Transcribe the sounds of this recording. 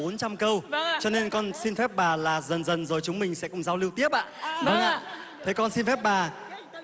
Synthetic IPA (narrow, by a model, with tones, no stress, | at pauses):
o˨˦nt͡ɕa˧mkə˧wt͡ɕɔ˧ne˧nkɔ˧nsi˧nfɛ˦˥p̚ɓaː˨˩laː˨˩zə˨˩nzə˨˩nzo˨˩jt͡ɕʊ˨˦ŋ͡mmï˨˩ŋ̟sɛ̰˧˥kʊ̰˨˧˩ŋ͡mzaː˧wli˧əwt̪i˦˥əp̚ʔa̰ː˧˨və˧nʔa̰ː˧˨ | t̪ʰe˨˦kɔ˧nsi˧nfɛ˦˥p̚ɓaː˨˩